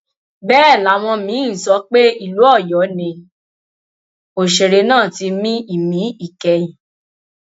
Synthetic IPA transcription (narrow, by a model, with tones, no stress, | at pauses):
bɛː˦˨la˨˦w̃ɔ̃˧mĩ˨˦n̩˨sɔ˧˦k͡pe˦i˦˨lu˨˦ɔ˦˨jɔ˨˦nĩ˧ | o˨ʃe˨ɾe˧nãː˦˨ti˧mĩ˦i˦˨mĩ˨˦i˦˨kɛ˧jĩ˨